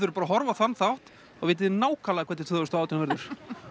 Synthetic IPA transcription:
ʏɾʏɾpaːɾaɦɔɾvaθanːθawht̪ | aɣvɪːt̪ɪðɪnaːwkʰalaðakʰɛt̪ɪ̥ɾt̪ʰʏðvɪst̪awt̪ɪnvɛɾðʏɾ̥

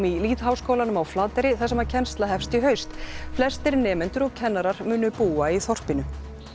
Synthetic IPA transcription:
miliːt̪ɦawskowlanʏmawflaːt̪ɛɾɪθasɛmaɾcʰɛnst̪laɦɛfst̪iɦœɥst̪flɛst̪ɪɾnɛːmɛnt̪ʏɾɔɣcʰɛnːaɾaɾmʏːnʏpuːaiθɔr̥pɪnʏ

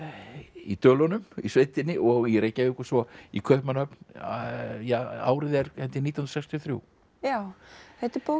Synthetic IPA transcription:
it̪œːlɔnʏmisveːjt̪ɪnːɪʔɔɣiɾeːjcaɪhkʏ̥svɔikʰœhpmanœpn | jaa̰ːwɾɪðɛɾhɛnt̪ɪniːahunɾsɛjkst̪ʰjɔθɾjṵw | jaːwθɛht̪ɪɾpoː

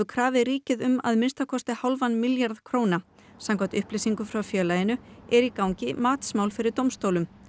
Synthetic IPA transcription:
ʏkʰɾaːvɪriːcɪðʏma̰ðmɪnst̪akʰɔst̪ɪhawlvanmɪljaɾðkʰɾoːwna | samkʰɔt̪ʏhplesiŋkʏfɾawfjœːlajɪnʏɛɾikawɲcɪmaːt̪smawlfɪɾɪɾt̪owmst̪owlʏm

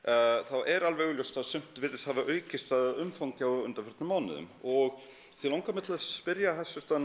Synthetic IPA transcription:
θawʔɛɾalvɛɣʏljowst̪asʏm̥t̪vɪːt̪ɪst̪havaʔœːɥcɪst̪aððʏmfawŋcɪawʏ̰nt̪aɾfɛɾ̥t̪nʏmaːwnɪ̰ðʏ̰mɔɣ | θilawŋkamɪt̪laðsspɪɾjahɛsːɪ̥t̪a

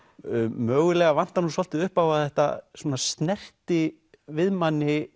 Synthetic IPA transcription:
mœːɣʏlɛɣavan̥t̪anusɔl̥t̪ɪʏhpawaθɛht̪a̰swɔːnast̪nɛr̥t̪ɪ | vɪðmanːɪ

